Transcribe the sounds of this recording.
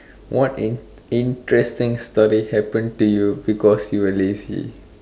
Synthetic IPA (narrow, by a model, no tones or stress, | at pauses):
wʔɔt | ĩntɹɛstɪ̃ŋstɔɾihɛpə̃ntujubikɔsjuwəlezḭ